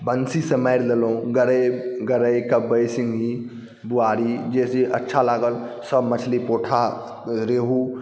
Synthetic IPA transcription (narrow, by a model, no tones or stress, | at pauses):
bənsisəmaɪɾlelõɡəɾəɡəɾəjkəbəjsɪŋɡi | buaːɾid͡ʒeːsiʔɐtːʃʰalaːɡəlsəbmət͡ʃʰlipoːʈʰa | ɾeːɦu